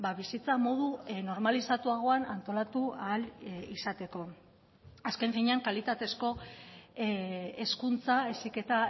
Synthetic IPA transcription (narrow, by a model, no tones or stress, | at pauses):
baβisit͡samo̞ð̞uno̞ɾmalisat̪uaɣ̞o̞anant̪o̞lat̪ualisat̪e̞ko̞ | aske̞ɱfiɲeaŋkalit̪at̪e̞sko̞ | eskunt͡saesike̞t̪a